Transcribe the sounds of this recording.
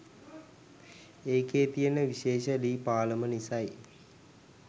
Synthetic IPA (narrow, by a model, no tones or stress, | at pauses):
eːkeːt̪ijənəʋiʃeːʃəliːpaːləmənisaj